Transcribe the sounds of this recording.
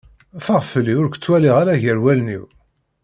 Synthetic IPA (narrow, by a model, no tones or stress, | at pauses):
fəʁfəliʊɾkʷə̥t͡sːwæliʁaɾaʝəɾwælnḭw